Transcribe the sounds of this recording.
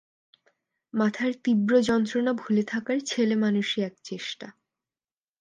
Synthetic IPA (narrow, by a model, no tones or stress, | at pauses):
mat̪ʰaɾt̪ibɾod͡ʑɔnt̪ɾonabʱulet̪ʰakaɾt͡ɕʰelemanuʃiɛkt͡ɕeʃʈa